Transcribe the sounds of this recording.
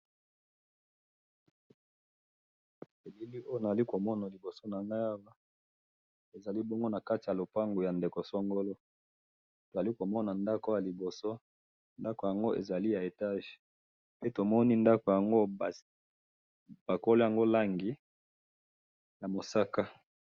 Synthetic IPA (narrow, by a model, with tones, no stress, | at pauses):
e˨bi˦li˦o˦jo˨na˨a˨li˦ko˨mɔ˦na˨li˨bo˨so˦na˨ŋɡa˦ja˦wa˦ | e˨za˨li˦bɔ˦ŋɡo˦na˨ka˦ti˨ja˨lo˨pa˦ŋɡo˨ja˨nde˨ko˨sɔ˦ŋɡo˦lo˦ | to˨za˨li˦ko˨mɔ˦na˨nda˦ko˦ja˨li˨bo˨so˦ | nda˦ko˨ja˨ŋɡo˦ʔḛ˨za˨li˦ja˨e˨ta˦ʒ | pe˦to˨mɔ˦ni˦nda˦ko˨ja˨ŋɡo˦˨ | b̥a˨ko˦lo˦ja˨ŋɡo˦la˦ŋɡi˨˦ | ja˨mo˨sa˦ka˦